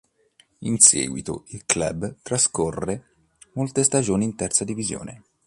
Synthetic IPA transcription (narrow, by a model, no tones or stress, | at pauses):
insɛ̰ːɡwit̪o̰ilkla̰bt̪ɾaskorːe | molt̪est̪ad͡ʒoːniːnt̪ɛrt̪sad̪ivizjo̰ːne